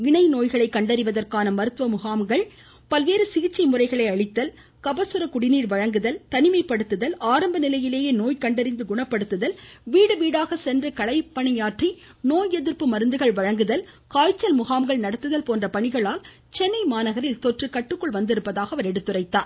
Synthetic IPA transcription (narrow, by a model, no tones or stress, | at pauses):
ɪɳɐɪnoːjɣɐɭɐɪkːɐɳɖɐɾɪʋɐðɐrkaːnɐmɐɾɯt̪ːʋɐmʊɣaːmɡɐɭ | pɐlʋeːɾɯsɪɣɪt͡ʃːɐɪmʊrɐɪɣɐɭɐɪɐɭɪt̪ːɐl | kɐbɐsɯɾɐkʊɽɪniːɾʋɐɻɐŋɡɯðɐlt̪ɐnɪmɐɪpːɐɽɯt̪ːɯðɐlaːɾɐmbɐnɪlɐjɪleːjeːnoːjkɐɳɖɐɾɪnd̪ɯɡʊɳɐpːɐɽɯt̪ːɯðɐlʋiːɽɯʋiːɽaːɣɐsɛndrɐkɐɭɐɪpːɐɳɪjaːʈri | noːjɛðɪɾpːɯmɐɾɯnd̪ɯɣɐɭʋɐɻɐŋɡɯðɐl | kaːjt͡ʃːɐlmʊɣaːmɡɐɭnɐɽɐt̪ːɯðɐlpoːndrɐpɐɳɪɣɐɭaːl | t͡ʃɛnːɐɪmaːnɐɣɐɾɪlt̪ɔʈrɯkɐʈːɯkːɔɭʋɐnd̪ɪɾɯpːɐðaːɣɐʋɐɾɛɽɯt̪ːɯrɐɪt̪ːaː